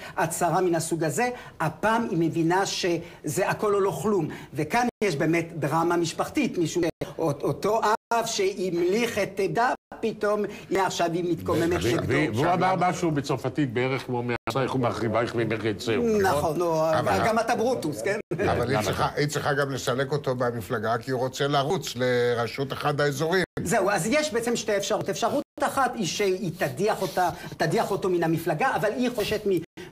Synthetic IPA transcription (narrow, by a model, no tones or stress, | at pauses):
at͡saʁaminasuɡaze̞apaːmimevinaʃezeʔako̞lolo̞χlumvekanjeʃbe̞ːmet̪d̪ʁamamiʃpaχt̪it̪miʃueoot̪o̞ʔavʃeimliχet̪edapito̞miaχʃavimit̪komemet̪eɡdvdoveuamaʁmaʃubet͡soʁfatit̪̚beeʁeχkmomeasaeχumaχʁivaeχvemeχet͡senaχonoavaɡamat̪abʁut̪uskenavaliʁiχaʔit͡sʁiχaɡamlesaleko̞t̪o̞bamiflaɡakiuʁo̞t͡selaʁut͡sleʁaʃut̪aχad̪aezoʁizeuazjeʃbeet͡semʃte̞efʃaʁut̪efʃaʁut̪aχat̪iʃeit̪adiaχot̪at̪adiaχo̞t̪o̞minamiflaɡaʔavaliχoʃe̞t̪mi